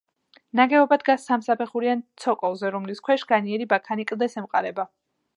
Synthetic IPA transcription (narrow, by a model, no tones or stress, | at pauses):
naɡɛɔbad̪ɡasːamsapʰɛχuɾiant̪sʰɔkʼɔlˠzɛɾɔmliskʰwɛʃɡ̥aniɛɾibakʰanikʼld̪ɛsɛmqʼaɾɛba